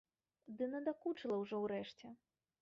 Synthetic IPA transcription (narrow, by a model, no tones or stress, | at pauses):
d̪ɨnɐd̪akut͡ʂɨlˠɐwʐɔwɾɛʂt͡sʲɛ